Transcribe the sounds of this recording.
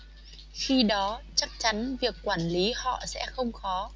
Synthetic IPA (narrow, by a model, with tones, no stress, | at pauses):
xi˧ɗɔ˨˦t͡ɕa˦˥k̚t͡ɕa˨˦nvi˨˩əkːwaː˧˩nli˨˦hɔ̰˧˨sɛ̰˧˥xə˧wŋ͡mxɔ˨˦